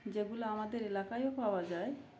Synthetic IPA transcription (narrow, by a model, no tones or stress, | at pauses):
d͡ʑeɡuloamad̪eɾelakajopawad͡ʑae